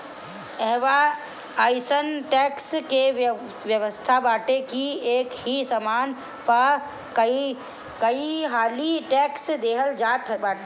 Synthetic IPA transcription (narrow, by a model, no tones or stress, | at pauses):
ɛɦʋa | aːɪsənʈɛkske | ʋjəʋəst̪ʰabaːʈekieːkhisəmaːn | pɐɾ | kəi | kəiɦaːliʈɛːksd̪eːɦəld͡ʒaːt̪ʰba